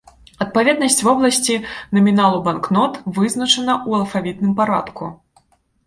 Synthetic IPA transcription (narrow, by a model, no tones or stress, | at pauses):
ɐt̪̚pavʲɛd̪̚nɐsʲt͡sʲvɔblˠɐsʲt͡sʲinɐmʲinalˠubanknɔt̪vɨznɐt͡ʂɐnɐʔuɐlˠfavʲit̪nɨmpaɾa̰t̪ku